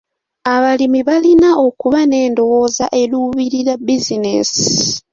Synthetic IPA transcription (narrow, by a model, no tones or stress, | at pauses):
aβalimiβalinao̞kuβane̞ːndo̞wo̞zaʔe̞luːβiɾiɾabizinesi